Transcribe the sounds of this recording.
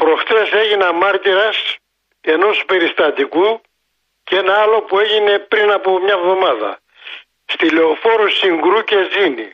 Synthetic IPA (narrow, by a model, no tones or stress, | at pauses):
pɾo̞xt̪ese̞ʝinɐmɐɾt̪iɾɐs | e̞no̞spe̞ɾist̪ɐt̪iku | cee̞nɐɐlo̞pue̞ʝine̞pɾinɐpomɲɐvðo̞mɐðɐ̰ | st̪ileofo̞ɾusiŋɡɾuce̞zini